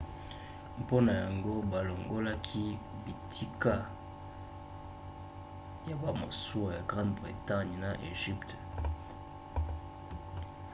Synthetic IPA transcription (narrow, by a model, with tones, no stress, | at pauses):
po˦na˨ja˨ŋɡo˦ba˨lo˨ŋɡo˦la˦kʰi˦bi˨tʰi˦ka˦ | ja˨ba˨mo̰˨su˦a˨ja˨ɡʁã˦ndbʁḭ˨ta˦ɲ˨na˨ʔḛ˨ʒi˦pt